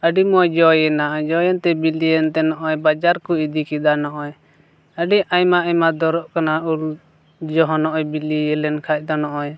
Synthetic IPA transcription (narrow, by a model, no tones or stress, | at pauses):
əɖimɔjd͡ʒɔjɛnad͡ʒɔjɛnt̪ɛbiliɛnt̪ɛnɔʔɔjbad͡ʒaɾkuid̪ikid̪anɔʔɔj | əɖiʔajmaʔamad̪ɔɾɔʔkanaul | d͡ʒɔɦɔnɔʔɔjbiliɛlɛnkʰac̚ˀd̪ɔnɔʔɔj